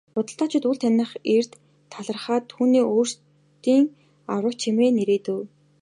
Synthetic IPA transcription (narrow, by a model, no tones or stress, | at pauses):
pʊt̪ə̆ɬt̪aːt͡ɕʰɪ̆t̪uːɮt̪ʰænə̆χer̥t̪ʰː | aɮə̆rχaːt̪ʰuːniːʔoːr̥s | t̪iːŋ | awə̆k̚t͡ɕʰimeːneɾeːt̪ɘ̆ː